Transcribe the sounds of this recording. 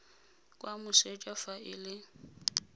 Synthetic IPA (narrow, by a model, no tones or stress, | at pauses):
kʼwamʊset͡ʃʼwafaɪlɪ